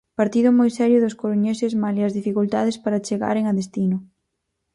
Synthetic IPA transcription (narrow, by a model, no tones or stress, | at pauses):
paɾt̪iðʊmojsɛɾjʊðʊskoɾuɲesɪzmaliɐzðifikult̪aðɪspaɾat͡ʃeɣa̰ɾeŋɐðest̪inʊ